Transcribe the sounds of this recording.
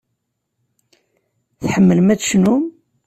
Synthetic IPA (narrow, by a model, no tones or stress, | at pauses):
θħəmːələmæt͡sːʃnum